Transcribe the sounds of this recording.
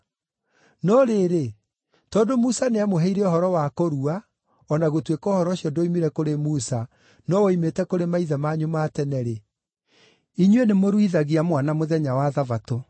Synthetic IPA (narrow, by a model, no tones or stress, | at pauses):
nɔɾeɾe | tɔdomusaneamoɦɛiɾɛɔɦɔɾɔwakoɾua | ɔnaɣotwekɔhɔɾɔɕiɔdoimiɾɛkoɾemusa | nɔwɔimetɛkoɾemaiðamaɲomaːtɛnɛɾe | iɲwenemoɾwiðaɣiamwanamoðɛɲawaðavato